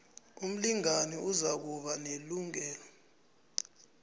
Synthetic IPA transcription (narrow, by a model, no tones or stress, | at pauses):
um̩liŋanɛuzak̬uɓaneluŋɛːlɔ